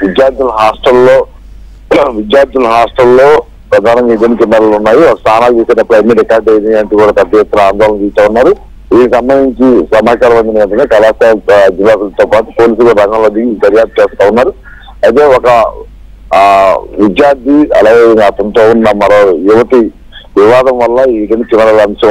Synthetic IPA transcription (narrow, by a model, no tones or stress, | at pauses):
ʋid̪jaːɾd̪ʱilɐɦaːsʈɐlːo̞ː | ʋid̪jaːɾd̪ʱulɐɦaːsʈɐllo̞ː | pɾɐd̪ʱaːnɐŋɡaːid̪eːnikinːɐɾɐlunːaːjiɔkɐst̪ʰaːnaːliːsɐjnɐpːɾɐjmiɾɛkaːɾɖɐjɾiɐnʈukuːɽaːpɛd̪ːɐjaɐt̪ːɐɾɐaːnd̪ʱɔːlɐ̃t̪iːst̪aːunːaːɾu | id̪ikisɐmbɐnd̪ʱiɲt͡ʃisɐmaːt͡ʃaːɾɐʋɐnd͡ʒ̪ɐnʋɐɳʈ̬ɐneːkɐlaːst̪ad͡ʒilːaːt̪ult̪oːpaːʈu̥poːliːs̬ulkoɾɐŋɡɐlod̪iɡd̪ɐɾjaːp̚t̪ɐt͡ʃɛːst̪aːunːaːɾu | ɐjt̪̬e̞ːɔkɐ | ʋid͡ʒ̪jaːɾd̪ʱiɐ̰laːɡeɐŋɡaːt̪ɐnt̪oːunːɐmɐɾojuʋɐt̪i | ʋiʋaːd̪ʱɐmʋɐlːɐid̪enikinɐɾɐlɐmʂɐ